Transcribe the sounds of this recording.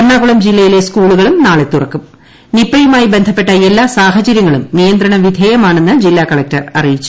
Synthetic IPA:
ɐrɳaːɣuɭɐmd͡ʑilːɐjile̞skuːɭuɣɐɭumnaːɭe̞t̪ːurɐkːum | nipːɐjumaːjibe̞nd̪ʱɐpːe̞ʈːɐe̞lːaːsaːhɐt͡ɕɐɾjɐŋːɐɭumnijɐnd̪ɾɐɳɐʋid̪ʱeːjɐmaːɳenːɨd͡ʑilːaːkɐɭɐk̚tɐrɐ̰rijit͡ɕːu̥

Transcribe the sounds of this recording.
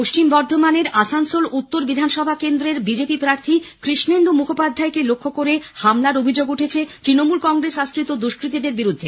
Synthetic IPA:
poʃt͡ɕimbɔɾd̪ʱomaneɾasansolut̪ːoɾbid̪ʱanʃɔbʱakend̪ɾeɾbid͡ʑepipɾaɾt̪ʰikɾiʃnend̪umukʰopad̪ʱːaekelokʰːokoɾehamlaɾobʱid͡ʑoɡuʈʰet͡ɕʰet̪ɾinomulkɔŋɡɾesaskɾit̪od̪uʃkɾit̪̬id̪eɾbiɾud̪ʱːe

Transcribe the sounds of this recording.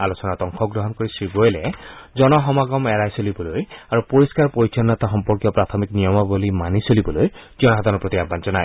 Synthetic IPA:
alosɔnat̪ɔŋkʰɔɡɹɔɦɔnkoɹisɹiɡojlɛzɔnɔɦɔmaɡɔmɛɹajsolibɔlojaɹupoɹiskaɹpoɹitʰɔnːɔt̪axɔmpɔɹkjɔpɹat̪ʰɔmiknijɔmabolimanisolibɔloj | zɔnɔɦɔd̪ʱanɔpɹot̪iabbanzɔnaj

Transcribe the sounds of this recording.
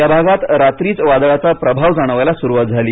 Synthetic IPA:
jabʱaɡat̪ɾat̪ɾiːt͡sʋad̪ɭat͡sapɾəbʱaʋd͡zaɽ̃əʋajlasuɾuʋat̪̚d͡zʱaliː

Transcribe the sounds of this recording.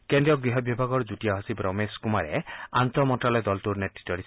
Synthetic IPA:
kend̪ɾijɔɡɾiɦɔbjɔbʱaɡɔɾd͡ʒutiaɦɔsibɾɔmeskumaɾḛant̪ɾɔmɔntalɔjd̪ɔlt̪uɾneʈɾit̪ːɔɾis

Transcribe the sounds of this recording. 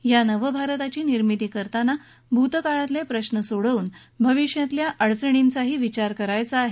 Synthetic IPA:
janəʋəbʱaɾt̪at͡ɕiːniɾmit̪iːkəɾt̪ana | bʱut̪əkaɭat̪ljapɾəɕnəsuɽəuːn | bʱəʋiʂjãt̪ljaʔəɽt͡səɳint͡saɦiːʋit͡ɕaɾkəɾajt͡saaɦe

